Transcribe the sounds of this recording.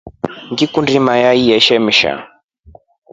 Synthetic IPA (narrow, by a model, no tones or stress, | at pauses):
ŋɡikundimajaijɛʃɛmiʃa̰